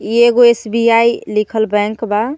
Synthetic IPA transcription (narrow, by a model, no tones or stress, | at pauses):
ieɡoesbiailikʰəlbɛ̃ŋkba